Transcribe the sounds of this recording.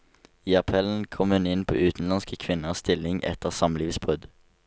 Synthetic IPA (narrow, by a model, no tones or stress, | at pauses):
iːɑpʰɛln̩kʰɔmhʉnɪnpʰo̰ːʉːt̪n̩lɑnskəkʰʋɪnəst̪ɪlɪŋʔɛ̰t̪əʁsɑmliːʋsbʁʉd̪